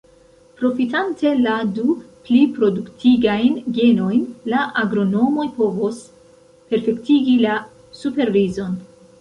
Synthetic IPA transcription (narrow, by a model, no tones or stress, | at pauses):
pɾo̞fitante̞laduplipɾo̞duktʰiɡajnɡe̞no̞jnlaʔaɡɾo̞no̞mojpo̞vo̞s | pe̞ɾfe̞ktiɡila | supe̞ɾvizo̞n